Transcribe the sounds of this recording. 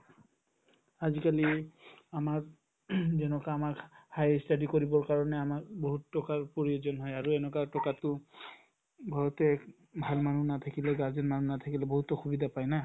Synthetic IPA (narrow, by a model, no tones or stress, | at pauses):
azikaliamaɹ | zɛnɔkaːmakhajstadikoɹibɔɹkaɹɔnɛamakboɦutːɔkaɹpoɹiozɔnɦɔjaɹuɛnɔkatɔkatʊ | bʱaɹɔtɛk | bʱalmanunat̪ʰakilɛɡaɹzɔnmanunat̪ʰakilɛboɦutɔxubidapajna